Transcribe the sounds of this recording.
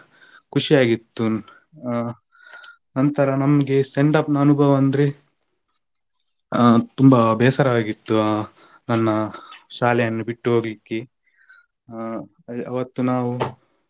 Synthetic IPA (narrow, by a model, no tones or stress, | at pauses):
kuʂijaːɡit̪ːu | nɐnt̪ɐɾɐnɐmɐɡe̞seɳɖɐpnːnubʱɐʋɐnd̪ɾe | t̪umbɐbɛːsɐɾɐʋaːɡit̪ːu | nɐnːɐʃaːlɛjɐnːubiʈːuɦo̞ːɡlikːe | ɐ̰ʋɐt̪ːunaːʋu